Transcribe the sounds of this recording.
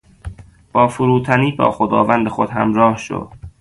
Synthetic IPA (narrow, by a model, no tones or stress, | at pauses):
b̥ɒːfuɾuːt̪ʰæniːbɒ̰ːxod̪ɒːvænd̪exod̪hæmɾɒːhʃo̰d̪̥